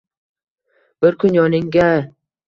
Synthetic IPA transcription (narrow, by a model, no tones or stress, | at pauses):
b̥ɪɾkʰʊnjɒnɪŋɡʲa